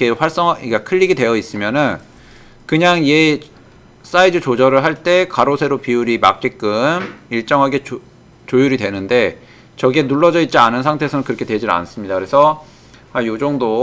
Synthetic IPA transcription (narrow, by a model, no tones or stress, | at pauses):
kewaɭs͈ʌŋɦaikakʰɯʎːiɡidwe̞jʌis͈ɯmjʌnɯn | kɯɲaŋie | s͈aidɯt͡ɕod͡ʑʌɾɯɭɦaɭt͈e̞kaɾosʰe̞ɾopiuɾima̰k̚k͈ek͈ɯmiɭt͡ɕ͈ʌŋɦaɡe̞ | t͡ɕojuɾidwe̞nɯnde̞ | t͡ɕʌɡie̞nuɭːʌd͡ʑʌit̚t͡ɕ͈ianɯnsʰaŋtʰeːsʰʌnɯnkɯɾʌkʰe̞twe̞d͡ʑina̰ns͈ɯmɲidakɯɾesʰʌ | ajod͡ʑʌŋdo